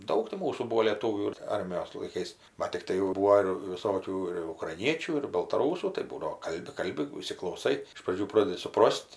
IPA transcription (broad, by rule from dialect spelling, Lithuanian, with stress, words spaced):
ˈdɐʊk tʲɪ ˈmuːsuː ˈbuːoː lʲeːˈtuːʋʲuː ˈɐrʲmʲɪjoːs lˠɐɪˈkɐɪs bɐt tʲɪkˈtɐɪ jɛʊ ˈbuːoː ɪr ʋʲɪˈsoːkʲuː ɪr ʊkrɐɪˈnʲiɛt͡ʃʲuː ɪr bɐlˠtɐˈruːsuː tɐɪ ˈbuːdɐʋoː ˈkɐlʲbʲɪ ˈkɐlʲbʲɪ iːsʲɪklˠɐʊˈsɐɪ ɪʃ prɐˈd͡ʒʲuː ˈproːdʲɛdʲɪ sʊˈproːsʲtʲ